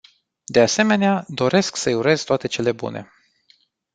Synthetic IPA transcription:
d̪e̞ase̞me̞nead̪o̞ɾe̞sksəjuɾe̞zt̪oat̪e̞t͡ʃe̞le̞bṵnʔe̞̰

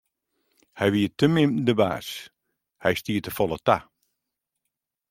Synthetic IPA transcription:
hɛjʋiətəmɪmdəba̰ːs | hɛjstiːətəfɔlˠəta

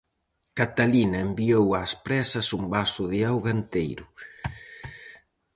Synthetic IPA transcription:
kat̪alinɐembiowaspɾɛsɐsumbasʊðiawɣant̪ejɾʊ

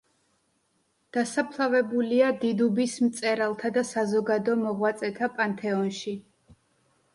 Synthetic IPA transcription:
d̪̥asapʰlˠavɛbuliad̪id̪ubismt̪sʼɛɾalˠt̪ʰad̪asazɔɡad̪ɔmɔʁwat̪sʼɛt̪ʰapʼant̪ʰɛɔnʃi

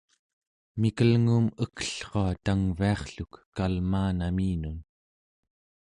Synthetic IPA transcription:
mikəlŋuːməkə̥ɬχoat̪aŋviɑχɬukːalmaːnamiːnun

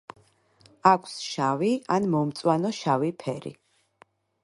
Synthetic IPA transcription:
akʷʰsʃavianmɔmt̪sʼwanɔʃavipʰɛɾḭ

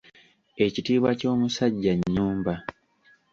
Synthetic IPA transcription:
e̞citiːβwaco̞ːmusaɟːaɲːuːmba

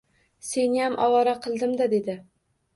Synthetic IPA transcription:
se̞njamʔɒwɒɾaqʰɨlˠd̪ɪmd̪ad̪e̞d̪ɪ

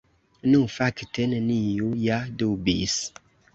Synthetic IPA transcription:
nufaktenənijujadubḭs

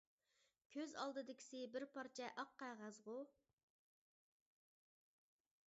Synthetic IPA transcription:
kʲʰøzɑ̰lˠd̪ɨd̪ɪkʲʰi̥sɪbɪɾpʰɑɾt͡ʃʰɛʔɑqːɑjʁɑzʁʊ

